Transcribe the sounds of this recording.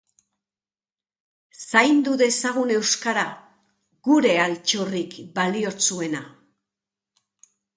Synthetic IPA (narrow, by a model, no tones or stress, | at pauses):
sajnd̪uðe̞saɣune̞wskaɾa | ɣ̥uɾe̞alt͡ʃo̞rikbalio̞t͡sue̞na